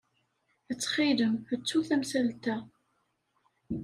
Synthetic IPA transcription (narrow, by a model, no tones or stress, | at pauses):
ət͡sːχiləmət͡sːuθæmsælt̪æ